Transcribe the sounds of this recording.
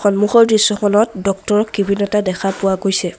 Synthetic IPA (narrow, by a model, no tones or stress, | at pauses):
xɔnmuxɔɹdɹisːɔxɔlɔtdɔk̚tɔɹɔkːibinɔtadɛxʰapʊwaɡojsɛ